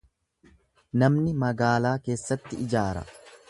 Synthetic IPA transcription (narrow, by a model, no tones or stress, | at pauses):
nɐmnɪmɐɡaːlaːke̞ːsːɐt̪ːɪɪd͡ʒaːɾɐ̰